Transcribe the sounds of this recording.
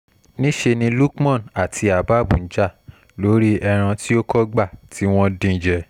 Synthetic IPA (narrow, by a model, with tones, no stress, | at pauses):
nĩ˦ʃe˧nĩ˧lu˦kmɔ̃˦˨na˨tʰi˧a˨ba˦˨bṵ̃˨n̩˦d͡ʒa˦˨ | lo˨˦ɾi˦ɛ˧ɾ̃ã˧ti˦o˦kɔ˦ɡ͡ba˦˨tʰi˦w̃ɔ̃˦dĩ˧˨d͡ʒɛ˧